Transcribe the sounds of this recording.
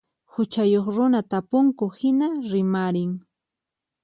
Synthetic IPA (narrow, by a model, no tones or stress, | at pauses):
hʊt͡ʃajoχɾʊnat̪apʊŋkʊhɪnaɾɪmaɾɪŋ